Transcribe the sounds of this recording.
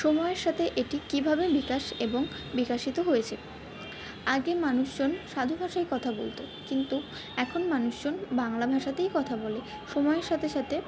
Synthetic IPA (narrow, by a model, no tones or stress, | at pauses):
ʃɔmɔeeɾʃat̪ʰeʔeʈikibʱabebikaʃeboŋ | bikaʃit̪oɦojet͡ɕʰe | aɡemanuʃd͡ʑonʃad̪ʱobʱaʃajkɔt̪ʰabolt̪o | kint̪u | ɛkʰonmanuʃd͡ʑonbaŋlabʱaʃat̪ejkɔt̪ʰabɔle | ʃɔmɔeɾʃat̪ʰeʃat̪ʰe